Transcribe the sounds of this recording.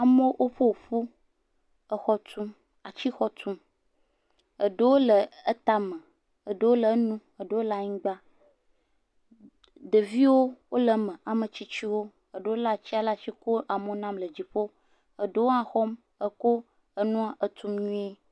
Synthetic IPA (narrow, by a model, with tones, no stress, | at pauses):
a˨mõ˦ʔo˦ɸo˦wɸu˦ | ə˨xɔ˦t̪ʰu˦m | a˨t͡ɕi˦xɔ˦t̪ʰu˦m | ə˨ɖə˦wo˦lə˨ə˦t̪a˦mə̃˨ | ə˨ɖə˦wo˦lə˨˦nũ˦ə˨ɖə˨˦wo˦la˨ɲĩ˦ɡ͡ba˦ | də˨vi˦wo˦wo˦lə˨mə̃˨a˨mə̃˨t͡ɕi˦t͡ɕi˦wo˦ | ə˨ɖe˨˦wo˦la˨t͡ɕi˦a˦la˦ʃi˦ko˦ʔa˨mo˦nã˦mlə˨d͡ʑi˨ɸo˦ | ə˨ɖe˦wo˦ã˨xɔ˦m | ə˦ko˦ | ə˦nũ˦a˦ʔə˨t̪u˦mɲũ˦e˦